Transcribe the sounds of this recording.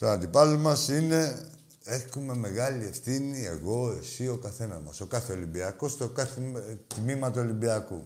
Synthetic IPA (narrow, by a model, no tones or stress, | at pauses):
t̪oɐnd̪ipɐlomɐsine̞ | e̞xume̞me̞ɣɐliefθinie̞̰ɣo̞e̞sio̞kɐθe̞nɐzmɐso̞kɐθeolimbiɐkost̪okɐθit̪mimɐt̪uolimbiɐkṵ